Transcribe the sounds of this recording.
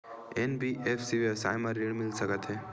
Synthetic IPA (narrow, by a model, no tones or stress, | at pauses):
enbiʔefsiʋiəsa̰jmaɾiɽmɪlsəkət̪ɦe